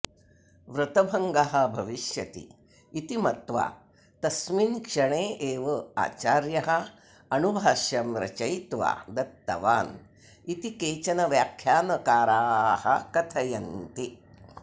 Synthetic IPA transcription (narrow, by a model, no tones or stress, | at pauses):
ʋɾut̪ɐbʱɐŋɡɐɦɐ̆bʱɐʋiʃjɐt̪ḭː | t̪imɐt̪ʋa̰ː | t̪ɐsminkʂɐɳeːʔeːʋɐa̰ːt͡ʃaːɾjɐɦɐ | ɐnubʱaːʃjɐmɾɐ̰t͡ʃɐjt̪ʋa̰ːd̪ɐt̪ːɐ̰ʋaːn | it̪ikeːt͡ʃɐnɐʋjaːkʰjaːnɐkaːɾaːhɐ̰kɐt̪ʰɐjɐnt̪i